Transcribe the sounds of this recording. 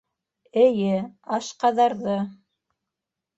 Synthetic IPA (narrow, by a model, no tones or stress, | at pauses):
ɘ̆jɘɑʃqɑðɑɾðɤ